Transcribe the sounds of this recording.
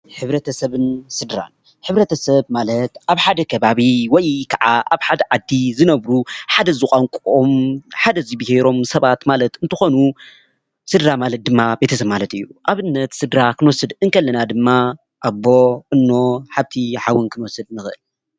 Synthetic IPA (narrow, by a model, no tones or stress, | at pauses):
ħɨβɾɐt̪ʰɐsɐβɨnsɨd̪ɾa̰n | ħɨβɾɐt̪ʰɐsɐβmalɐt̪ʔaβħad̪ɐkʰɐβaβiwɔjkʰaʕaʔaβħad̪ɐʕad̪ːizɨnɐβɾuħad̪ɐzɨkʼaŋkʼomħad̪ɐzibiheɾo̞msɐβat̪malɐt̪ɨnt̪ʰɨxo̞nu | sɨd̪ɾamalɐt̪̚d̪ɨmːabe̞t̪ʰɐsɐβmalɐt̪ɨjːuʔaβɨnːɐt̪sɨd̪ɾakʰɨnwɔsɨd̪ɨŋkʰɐlːɐnad̪ɨmːa | ʔabːo̞ʔɨnːo̞ħaβt̪ʰiħawɨnkʰɨnwɔsɨd̪̚nɨxɨʔɨl